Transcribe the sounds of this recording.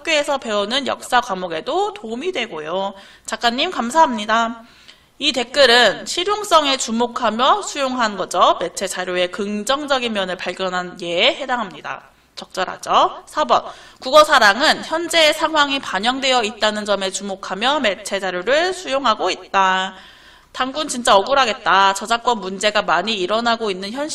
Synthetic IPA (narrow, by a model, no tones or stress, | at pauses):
hak̚k͈joe̞sʰʌpe̞unɯnjʌ̰k̚s͈akwamoɡe̞dotoumidwe̞ɡojo | t͡ɕak͈anɲːimkamsʰaɦamɲida | ite̞k̚k͈ɯɾɯnɕʰiɾjoŋs͈ʌŋe̞t͡ɕumokʰamjʌsʰujoŋɦanɡʌd͡ʑʌme̞t͡ɕʰe̞t͡ɕaɾjoe̞kɯŋd͡ʑʌŋd͡ʑʌɡinmjʌnɯɭpaɭɡjʌnɦanje̞ːɦe̞daŋɦamɲida̰ | t͡ɕʌk̚t͡ɕ͈ʌɾɦa̰d͡ʑosʰabʌ̰n | kuɡʌsʰaɾaŋɯnçjʌnd͡ʑe̞ːsʰaŋɦwaŋipaɲʌŋdwe̞jʌit̚t͈anɯnd͡ʑʌme̞t͡ɕumokʰamjʌme̞t͡ɕʰe̞d͡ʑaɾjoɾɯɭsʰujoŋɦaɡoit̚t͈a | taŋɡunt͡ɕint͡ɕ͈aʌɡuɾɦaɡe̞t̚t͈at͡ɕʌd͡ʑak͈wʌnmund͡ʑe̞ɡamaɲiːɾʌnaɡoinːɯnçjʌnɕ